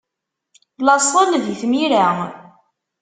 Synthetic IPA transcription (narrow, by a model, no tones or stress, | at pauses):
lɑsˤəlðjθmiɾa